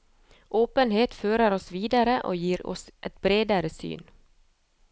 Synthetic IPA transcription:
ʔoːpənɦeːt̪føːɾəɾɔsviːd̪aɾəʔɔ̰jiːɾɔ̰sʔɛt̪̚bɾeːd̪aɾəsy̰ːn

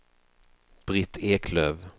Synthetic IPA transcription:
b̥ɾɪt̪ʰːeːkʰløːv

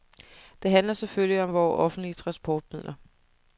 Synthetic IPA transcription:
d̥e̝ɦænlɐsefølliɒ̽mʋɒːʔɒ̽fn̩d̥liət͡sʰʁɑ̈nsb̥ʰɒːd̥̚mið̰ˠlʔɐ

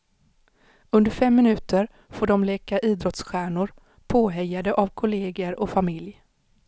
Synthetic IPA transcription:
ɵnd̪əɾfɛmːɪnʉ̟ːt̪əɾ | foːɖɔmleːkaʔiːd̪ɾɔt̪sɧæːɳʊɾ | pʰoːɦɛjːad̪əʔavkʰʊleːɡəɾɔfamɪlj

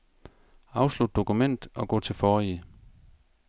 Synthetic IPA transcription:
ɑ̈ʊslud̥̚ːo̝kʰumen̰d̥ɒ̽ɡ̥ɔ̰ːt͡sʰe̝lfɒːi

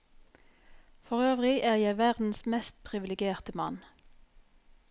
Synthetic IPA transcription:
fɔʁøːʋʁɪʔæːʁjæɪʋæʁd̪n̩smɛst̪̚pʰʁɪʋɪlɪɡjeːʁt̪əmɑ̰n

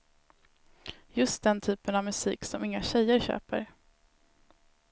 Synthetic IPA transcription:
jɵst̪̚d̪ɛnt̪ʰyːpənavmɵsḭːksɔmɪŋːaɕɛjːəɾɕø̰ːpə̰ɾ

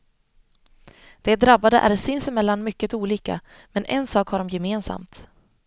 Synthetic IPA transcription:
d̪̥ɛd̪ɾabːad̪əʔæ̰ɾsɪnsəmɛlːanmʏkːət̪uːliːka̰ | mɛnʔɛ̰nsɑːkhaɖɔmjɛmeːnsa̰mt̪

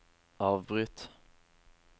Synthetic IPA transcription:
ʔɑːvbɾʏt̪

